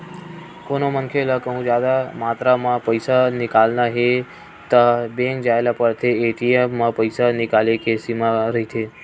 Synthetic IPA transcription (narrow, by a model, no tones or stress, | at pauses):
konomənkʰelakəɦũd͡ʒjaːd̪amaːt̪ɾamãpəjsanɪkalnaɦe | t̪abẽŋk̚d͡ʒaelapəɾt̪ʰeːʈiemmãpəɪsanɪkalekesimaɾəɦit̪ʰe